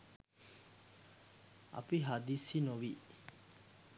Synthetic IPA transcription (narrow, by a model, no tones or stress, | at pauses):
ɐ̰piɦad̪isinoʋi